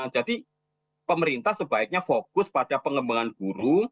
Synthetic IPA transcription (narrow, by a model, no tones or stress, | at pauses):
d͡ʒ̥ad̥i | pəməɾint̪ahsəb̥aɪk̚ɲafokʊspad̥apəŋəmbaŋanɡ̥uɾu